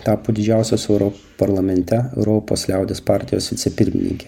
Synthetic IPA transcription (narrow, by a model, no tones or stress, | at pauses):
t̪ɑːpoːd̪ʲɪd͡ʒʲæˑʊsʲoːsɛʊɾɔ | pɐɾlˠɐmʲɛnʲt̪ʲɛɛʊɾoːpo̰ːslʲæˑʊd̪ʲespɑˑɾʲt̪ʲɪjoːsʋʲɪt̪sʲɛpʲɪɾʲmʲɪ̰nʲɪ̰ŋʲkʲɛ